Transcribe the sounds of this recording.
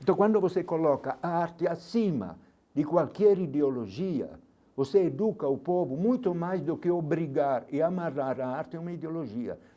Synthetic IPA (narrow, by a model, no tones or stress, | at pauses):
nt̪ɔkwãnd̪ovosekolɔkaʔaaɾt̪ɪasima̰ | d̪ɪkwalkjɛɾid̪eolod͡ʒia̰ | voseed̪ukaupɔvʊmujt̪omajsd̪okɪobɾiɡaɾɪamaraɾaaɾt̪ɪumaid̪eolod͡ʒiːa̰